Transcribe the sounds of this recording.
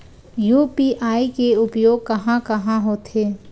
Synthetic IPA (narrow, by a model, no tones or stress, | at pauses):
juːpiʔaːikeʊpjoːɡ̚kɐɦãkɐɦãɦoːt̪ʰeː